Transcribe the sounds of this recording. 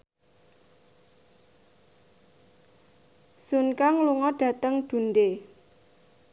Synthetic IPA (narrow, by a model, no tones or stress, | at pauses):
sunkaŋluŋɔɖ̥ä̤t̪əŋɖ̥ṳnde